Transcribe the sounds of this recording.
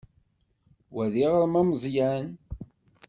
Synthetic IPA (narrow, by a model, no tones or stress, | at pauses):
wæðiʁəɾmæməzˤjæn